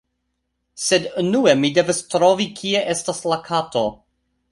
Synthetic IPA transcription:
sednuemide̞vastɾo̞vikʰieʔe̞staslakʰato

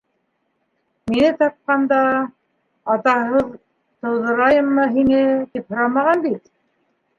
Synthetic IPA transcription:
minɘt̪ɑp̚qɑnd̪ɑː | t̪ɑɦɤð | t̪ɤ̆wðɤ̆ɾɑjɤmːɤɦinɘt̪iphŏɾɑmɑʁɑnd̪it̪

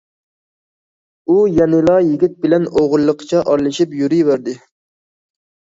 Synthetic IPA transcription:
ujɛnɪlˠɑjɪɡʲit̪̚bɪlɛnoʁʊlˠːəqʰt͡ʃʰɛʔɑɾlˠɨʃipjuɾijvæɾd̪ɪ

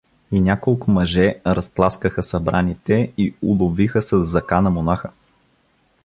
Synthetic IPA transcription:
inʲakolˠkʊmɐʒɛɾɐsp̪lˠaskəxəsɐbɾanit̪ɛiulˠʊvixəsɐzːɐkanɐmonaxə

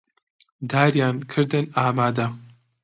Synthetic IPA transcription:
d̪aːɾjaːnkʰɨɾd̪ɨnaːmaːd̪ɐ

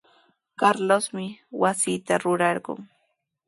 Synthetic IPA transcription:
kaɾlosmɪwasiːt̪aɾʊɾɑɾɢʊ̰ŋ

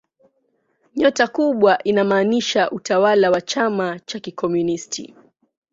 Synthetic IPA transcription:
ɲɔtakuɓwaʔinamaːniʃaʔutawalawat͡ʃamat͡ʃakikɔmjunistʰḭ

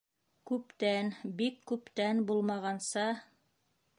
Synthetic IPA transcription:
kʉpt̪ænbikːʉpt̪ænbulˠmɑʁɑnsɑ

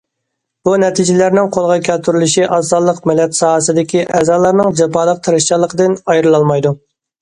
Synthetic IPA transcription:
b̥unɛt̪ʰid͡ʒɪlæɾnɪŋqʰolˠʁɑkʲʰɛlt̪ʰyɾylyʃiʔɑsɑlˠːəqmɪlɛt̪sɑːɦəsɨd̪ɪkʲiʔɛzɑːlˠɑɾnɨŋd͡ʒɛpɑlˠəq̚t̪ʰɨɾɨʃt͡ʃɑlˠːəqʰəd̪ɨnɑjɾɨlˠɑlˠmɑjd̪u

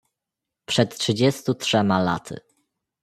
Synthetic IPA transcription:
pʂɛt̪tʂɘd͡ʑɛst̪utʂɛmala̰t̪ʰɘ̰

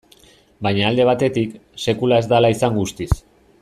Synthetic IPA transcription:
bajɲaːld̪e̞β̞at̪e̞t̪ikse̞kulae̞zd̪alaisaŋɡust̪is

